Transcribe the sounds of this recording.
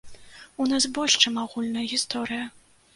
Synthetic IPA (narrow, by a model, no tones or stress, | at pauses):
unasbɔlʲʂt͡ʂɨmaɣulʲnɐjɐɣʲist̪ɔɾɨjɐ